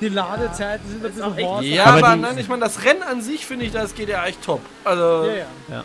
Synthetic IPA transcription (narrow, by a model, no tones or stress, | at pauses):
d̥ilaːdət͡saɪtn̩zɪnbɪjaːaaɐbɐnaɪnɪçmaɪnədasʁɛnənanzɪçfɪndəɪçd̥asɡ̥eːtjaːʔɛçtʰɔp | ʔalzo